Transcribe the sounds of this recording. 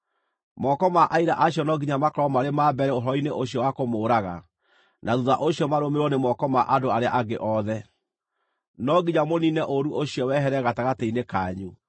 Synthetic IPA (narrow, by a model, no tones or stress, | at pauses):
mɔkɔmaʔaiɾaʔaɕjɔnɔɡiɲamakɔɾɔmaɾemabɛɾɛoɦɔineʔoɕiɔwakomoːɾaɣa̰ | naðuðaʔoɕiɔmaɾomeɾwɔnemɔkɔmaʔadoaɾea̰ʔaɡeʔɔðɛ | nɔɡiɲamoninɛʔoɾuʔoɕijɔwɛɦɛɾɛɣataɣateinekaɲu